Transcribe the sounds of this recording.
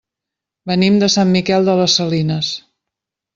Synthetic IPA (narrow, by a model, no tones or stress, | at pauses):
bənimd̪əsamːikɛlˠd̪ələsːəlinəs